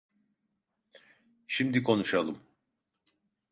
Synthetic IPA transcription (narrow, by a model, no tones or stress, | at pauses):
ʃimd̪ikʰo̞nuʃalˠɯm